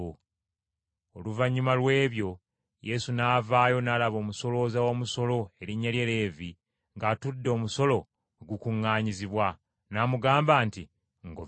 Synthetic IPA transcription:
oluvaɲːumalwe̞ːβjo̞ | je̞sunaːvaːjo̞naːlaβo̞ːmuso̞lo̞zawo̞ːmuso̞lo̞e̞ɾiɲːalje̞le̞ːvi | ŋɡaːtudːeo̞ːmuso̞lo̞ | oɡukuŋːaːɲiziβwa | namuɡaːmbaːnti | ŋɡo

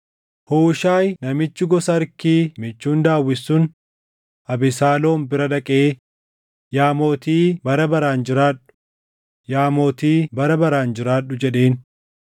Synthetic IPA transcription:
huːʃaːjnɐmɪt͡ʃːɪɡɔsɐɐɾkiːmɪt͡ʃːuːnd̪aːwːɪsːʊn | ʔɐbɪsaːlo̞ːmbɪɾɐᶑɐkʼeː | jaːmoːt̪iːbɐɾɐbɐɾaːnd͡ʒɪɾaːᶑʊ̥ | jaːmoːt̪iːbɐɾɐbɐɾaːnd͡ʒɪɾaːᶑːʊd͡ʒɛᶑe̞ːn

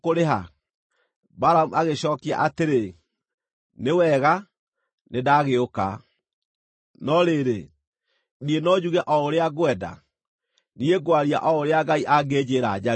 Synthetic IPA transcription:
oɾeɦa | baɾamuaɣeɕɔːkia̰ʔateɾe | newɛɣa | nedaɣeoka̰ | nɔɾeɾe | nienɔd͡ʑuɣɛʔɔoɾeaɣwɛda̰ | nieɡwaɾia̰ʔɔoɾeaɣaiʔaɡeːd͡ʑeːɾad͡ʑa

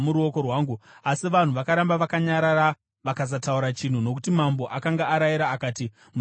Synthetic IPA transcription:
muɾuo̞ko̞rwaːŋɡuasiʋan̤uʋakaɾambaʋakaɲaɾaɾa | ʋakazatauɾat͡ʃin̤uno̞kutimambo̞ʔakaŋɡaːɾajiɾaːkaːti | mu

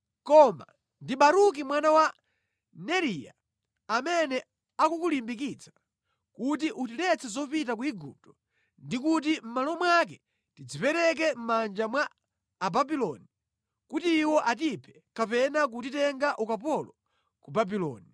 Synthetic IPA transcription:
kɔma̰ | ndiɓaɾuk̬imwanawa | nɛɾija̰ | amɛnɛ | akukulimbik̬it͡sʰḁ | kut̬iʔutilɛt͡sʰɛzɔpit̬ak̬uiɡup̚tɔ̥ | ndikut̬im̩malɔmwak̬ɛ | tid͡zipɛɾɛk̬ɛm̩mand͡ʒamwaː | babilɔni | kutiːwɔʔat̬ipʰɛ̥ | kapɛnak̬ut̬itɛŋɡaʔukapɔlɔ | kubabilɔ̰ːni

